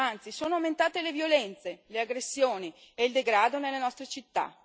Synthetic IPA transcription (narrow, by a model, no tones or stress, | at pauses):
ant̪sisoːnoawment̪aːt̪elevjolɛnt̪seleaɡɾesːjoːni | eild̪eɡɾaːd̪onelːenɔst̪ɾet͡ʃit̪ːa̰